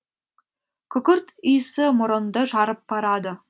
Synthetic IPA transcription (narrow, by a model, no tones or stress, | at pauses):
kɵ̆kɵ̆rt̪isɘ̆mŏɾŏnd̪ɤʒɑɾɤpːɑɾɑd̪ɤ̆